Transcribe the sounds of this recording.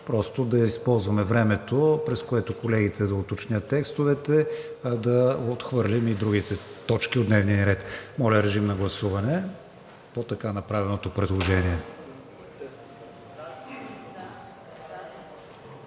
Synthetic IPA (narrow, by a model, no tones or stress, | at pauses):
pɾɔst̪od̪ɐispɔlˠzvɐmɛvɾɛmɛt̪opɾɛskoɛt̪okolɛɡit̪ʰɛd̪ɐot̪ot͡ʃnʲjət̪ːɛkst̪ovɛt̪ɛd̪ɐot̪xvɤɾlʲimid̪ɾuɡit̪ɛt̪ɔt͡ʃkiod̪nɛvniəɾɛt̪mɔlʲɐɾɛʒimnɐɡlˠɐsuvɐnɛ | pot̪ɐkanɐpɾavɛnot̪opɾɛd̪lˠoʒɛniɛ